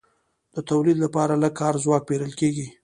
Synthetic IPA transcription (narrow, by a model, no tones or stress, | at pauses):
d̪̥ət̪awlid̪lapɑɾalakːɑɾzwɑk̚peɾəlkeɡi